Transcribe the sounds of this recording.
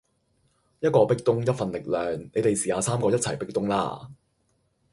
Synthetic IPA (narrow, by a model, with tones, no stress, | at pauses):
jɐ˥t̚kɔː˧pɪ˥k̚t̪ʊ˥ŋjɐ˥t̚fɐ˨nlɪ˨k̚lœː˨ŋne˨˧jt̪e˨jsiː˨haː˨˧saː˥mkɔː˧jɐ˥t̚t͡sʰɐ˨˩jpɪ˥k̚t̪ʊ˥ŋla̰ː˥